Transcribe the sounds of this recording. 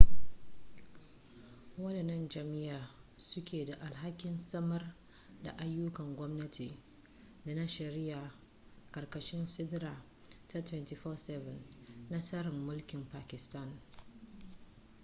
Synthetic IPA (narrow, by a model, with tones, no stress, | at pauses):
wɐ˦nɐ˨nɐ˦nd͡ʒɐ˨mɪ˦jaː˨sʊ˦kʲeː˨da˨ʔa˨lɦa˦kʲɪ˨nsɐ˦mɐ˦r | da̰˨ʔa˦jːʊ˦kɐ˨ŋɡʷɔ˦mnɐ˦tʰi˨ | da˨na˦ʃɐ˨ɾɪ˦ja˨ | kɐ˨rkɐ˨ʃɪ˦nsɪ˦dɾaː˨ | tɐ˦tʰwɛ˦nti˨fɔː˦sɛ˦vɛ˨nːa˦sɐ˦ɾɪ˨mːʊ˦lkʲɪ˨mpaː˨kʲɪ˨sta˦n